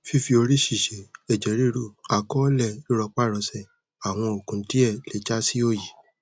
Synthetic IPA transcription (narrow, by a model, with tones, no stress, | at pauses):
fi˦fi˧o˧ɾi˦ʃi˦˨ʃe˨ɛ˨d͡ʒɛ˨˦ɾi˦ɾu˦˨a˨kɔ˦lɛ˧i˦ɾɔ˧k͡pa˦˨ɾɔ˧˦sɛ˦˨ | a˨w̃ɔ̃˧o˨kũ˨˦ti˦ɛ˦˨le˨˦t͡ʃa˦si˦o˦˨ji˨